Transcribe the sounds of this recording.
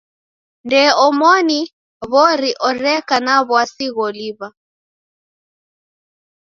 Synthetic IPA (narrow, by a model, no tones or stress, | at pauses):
ndɛɔmɔni | βɔɾiʔɔɾɛkanaβwasiɣɔliβa